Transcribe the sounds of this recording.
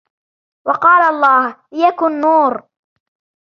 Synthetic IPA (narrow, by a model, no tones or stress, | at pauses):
wɑqɑːlaɑlˤːɑːhjakʊnːuːɾ